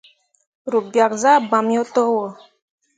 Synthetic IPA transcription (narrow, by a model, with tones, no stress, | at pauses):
ɾu˨bja˨k̚za˦ba˨mjo˦t̪ə˦wo˨